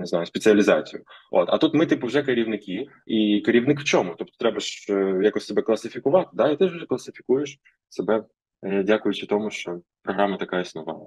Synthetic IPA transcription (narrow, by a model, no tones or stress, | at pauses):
nɪznɑjʊspʲet͡sʲɪɐlʲizɑt͡sʲijʊʔo̰t̪ɐ̰t̪ut̪mɪt̪ɪpɔwʒɛkɐɾʲiʋnɪkʲi | ikɐɾʲiwnɪkw̥t͡ʃɔmʊt̪ɔp̚t̪ɔ̥t̪ɾɛbɐʃjakɔsʲsebɛklˠɐsɪfʲikʊʋɑt̪ɪ̥d̪ɑit̪ɪʒwʒɛklˠɐsɪfʲikujeʃ | sebɛ | dʲakʊjʊt͡ʃɪt̪ɔmʊʃt͡ʃɔpɾɔɦɾɑmɐt̪ɐkɑjɛsnɔʋɑ̰ɐ